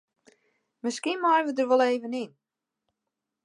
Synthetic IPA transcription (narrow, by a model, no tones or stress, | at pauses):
məskinmajʋədərʋɔlˠeːvənin